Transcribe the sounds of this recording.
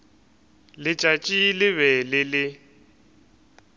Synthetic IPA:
lɪt͡ʃʼat͡ʃʼilɪβɛlɪlɪ

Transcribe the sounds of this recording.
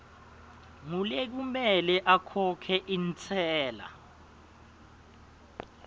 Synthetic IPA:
ŋulek̬umɛlɛʔakʰɔkʰɛʔint͡sʰɛːla̰

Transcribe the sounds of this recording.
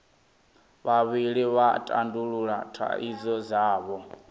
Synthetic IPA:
βaβiɺiβatʼa̰nduɺuɺatʰa̰ʔḭzɔzaːβɔ

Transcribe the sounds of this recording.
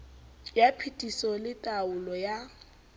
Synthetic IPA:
japʰitʼisɔlɪtʼaʊlɔja

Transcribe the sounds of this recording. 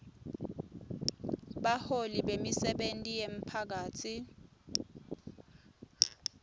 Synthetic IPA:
ɓaholiɓemisɛɓentʼijem̩pʰak̬aːtʰi

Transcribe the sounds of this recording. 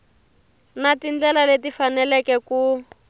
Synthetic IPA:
natind͡ɮɛlaletifanɛlɛkɛku

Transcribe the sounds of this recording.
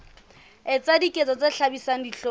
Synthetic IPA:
ɪt͡sʼadikʼet͡sʼɔt͡sʼeɬabisaŋ̩diɬo

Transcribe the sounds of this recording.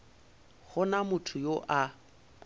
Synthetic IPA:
ɣʊnamʊtʰʊjoʔa

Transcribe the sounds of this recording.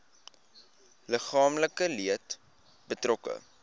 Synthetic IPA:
ləχɑːmləkəliət | bətrɔkə̰

